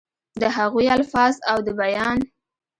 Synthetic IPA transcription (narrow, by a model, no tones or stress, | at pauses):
d̪əɦaɣujalfɑzawd̪əbajɑn